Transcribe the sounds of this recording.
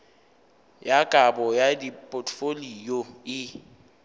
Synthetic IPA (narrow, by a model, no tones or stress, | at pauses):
jakʼabɔjadipʼotʰʼfolijoɪ